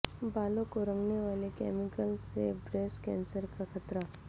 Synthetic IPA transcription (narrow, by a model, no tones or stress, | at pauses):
balokoɾə̃ŋɡneʋalekɛmikəlsḛbɾeskɛ̰̃nsəɾkakʰət̪ɾa